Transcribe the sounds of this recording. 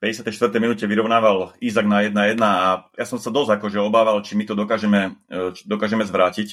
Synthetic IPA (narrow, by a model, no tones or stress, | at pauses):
pɛɟɛsɪat̪ɛjʃt̪ʋr̩t̪ɛjminuːcɛʋiɾɔʊnaːʋalizaɡnajɛd̪najɛd̪naːjasɔmsad̪ɔzakɔʒɛɔbaːʋalt͡ʃimit̪ɔd̪ɔkaːʒɛmɛt͡ʃi̥d̪ɔkaːʒɛmɛzʋɾaːcic